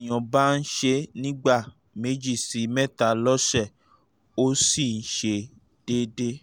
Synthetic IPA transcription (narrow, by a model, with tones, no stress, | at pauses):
j̃ɔ̃˨ba˦n̩˦ʃe˧nĩ˦ɡ͡ba˦˨ | me˨˦d͡ʒi˦˨si˨˦mɛ̃˦˨ta˨˦lɔ˦ʃɛ˦˨ | o˦si˦˨n̩˦ʃe˧˦ | d̥e˦de˦